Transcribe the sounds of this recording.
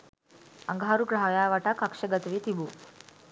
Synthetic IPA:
ə̰ŋɡʱɦaɾukɾaajaʋaʈakəkʂəɡət̪ʋiːt̪ibuː

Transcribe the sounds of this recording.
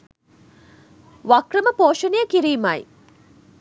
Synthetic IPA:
ʋakrəməpoːʃənejəkiɾiːmɐj

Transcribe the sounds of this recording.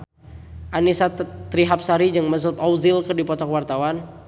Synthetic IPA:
ʔanisat̪ɾiɦap̚saɾid͡ʒəŋməs̬ʊt̪ɔwzilkərdipɔt̪ɔkəwart̪awan

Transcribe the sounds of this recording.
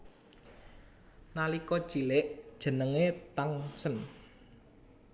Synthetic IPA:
nalikɔd̥ʒ̥i̤lɪʔd̥ʒ̥ə̤nəŋet̪aŋsən

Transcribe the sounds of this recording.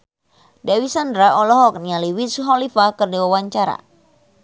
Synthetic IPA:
dawisandɾaɔlɔɦɔk̚nialiwisuɦɔlifakɨrdiwawaɲt͡ʃaɾa̰

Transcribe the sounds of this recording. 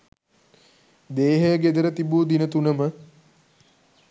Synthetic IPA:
d̪eːɦəjɡed̪əɾət̪ibuːd̪inət̪unəmə

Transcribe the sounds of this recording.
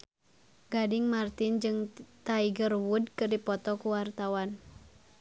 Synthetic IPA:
ɡadɪŋmart̪ɪnd͡ʒɨŋt̪aiɡərwud̚kɨrdipɔt̪ɔkuwart̪awan

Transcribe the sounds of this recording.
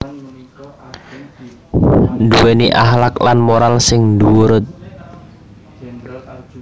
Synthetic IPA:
nd̪uweniʔaɦlaklanmoɾalsɪŋnduwuɾʊt̪̚

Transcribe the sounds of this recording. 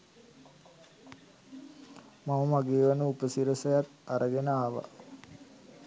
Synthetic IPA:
maməmaɡeːʋanəupəsiɾəsəjat̪aɾʔəɡenaːʋa̰

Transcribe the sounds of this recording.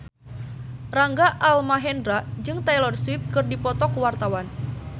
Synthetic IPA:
raŋɡaʔalmaɦɛndɾaʔd͡ʒɨŋt̪ajlɔrswɪp̚kɨrdipɔt̪ɔkuwart̪awan

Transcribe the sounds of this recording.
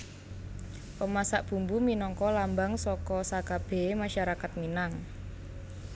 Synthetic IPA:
pəmasaʔb̥ṳmbuminɔŋkɔlambaŋsɔkɔsaɡ̥ab̥e̤maʃaɾakat̪̚minaŋ

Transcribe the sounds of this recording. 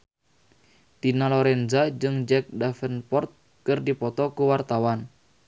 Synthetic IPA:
t̪inalɔɾɛnzad͡ʒɨŋd͡ʒɛk̚dafənpɔrt̪̚ | kɨrdipɔt̪ɔkuwart̪awan

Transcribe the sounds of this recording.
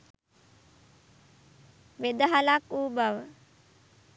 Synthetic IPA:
ʋed̪əɦalakuːbaʋə

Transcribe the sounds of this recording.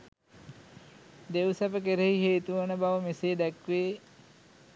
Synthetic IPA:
d̪eʋsɐpək̬eɾeɦiɦeːt̪uʋənəbaʋəmeseːd̪ɛkʋeː

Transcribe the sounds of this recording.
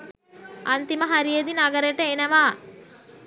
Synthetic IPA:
ant̪iməɦaɾijed̪inaɡəɾeʈəenɐʋaː

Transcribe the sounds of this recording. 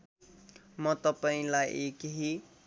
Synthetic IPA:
mʌt̪ʌpaĩlajʔekɦi

